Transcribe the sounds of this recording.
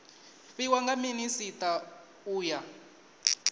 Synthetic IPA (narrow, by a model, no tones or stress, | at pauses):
fiwaŋɡaminisitʼa | uːja